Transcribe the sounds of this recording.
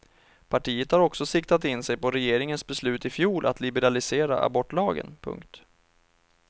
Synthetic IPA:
pʰaʈʰiːət̪haɾɔksɔsɪk̚t̪at̪ɪnsɛjpɔɾɛjeːɾɪŋənsbɛslʉ̟ːt̪ɪfjuːlʔa̰t̪lɪbɛɾalɪseːɾa̰ʔa̰bɔʈːlɑːɡə̰npʰɵ̰ŋkt̪

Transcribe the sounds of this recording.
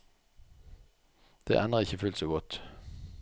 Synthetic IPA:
d̪̥ḛːʔænəʁɪçəfʉlt̪soːɡɔt̪

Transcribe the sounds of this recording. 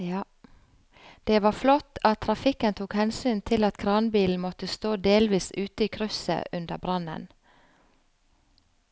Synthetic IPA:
d̪̥eːʋɑːflɔt̪ɑt̪ʰːɾɑfɪkənt̪ʰuːkhɛnsyːnt̪ʰɪlɑt̪kʰɾɑːnbiːln̩mɔt̪əst̪oːd̪eːlʋiːsʉːt̪əiːkʰɾʉsə̰ʔʉnd̪əbɾɑnə̰n

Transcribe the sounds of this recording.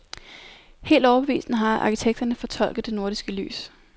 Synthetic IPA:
he̝̰ːld̥ɒʊɐb̥e̝ʋḭːsn̩əɦɑ̈ɑ̰̈kʰit͡sʰeɡ̥̚d̥ɐnəfɒ̽t͡sʰɒ̽l̰ɡ̥ð̩ˠd̥e̝no̝ɐɾ̥isɡ̥əly̰ːs

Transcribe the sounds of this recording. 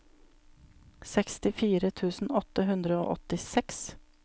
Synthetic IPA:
sɛkst̪ɪfiːɾət̪ʰʉːsn̩ɔt̪əɦʉnd̪ɾəo̰ːʔɔt̪ɪsɛks

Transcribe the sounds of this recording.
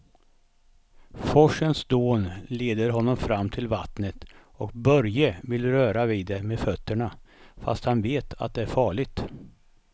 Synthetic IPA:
fɔʂənsd̪oːnleːd̪əɾɦɔnːɔmfɾamːt̪ʰɪlvat̪nət̪ | ɔk̚bœɾjəvɪlɾœːɾaviːd̪ːɛmeːfœt̪ːəɳafa̰st̪hanveːt̪ʰa̰t̪̚d̪ɛæɾfɑːɭɪɡ̚t̪

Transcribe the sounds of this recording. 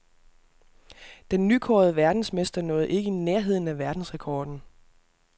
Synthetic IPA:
d̥enːykʰɒːðˠəʋæɐd̥n̩smesd̥ɐnɔ̽ːð̩ˠʔe̝ɡ̥əineɐɦe̝ð̞̰ˠn̩æʋæɐd̥n̩sʁɛkʰɒːd̥n̩

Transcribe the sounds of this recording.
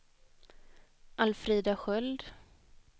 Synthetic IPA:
ʔalfɾiːd̪aɧœld̪

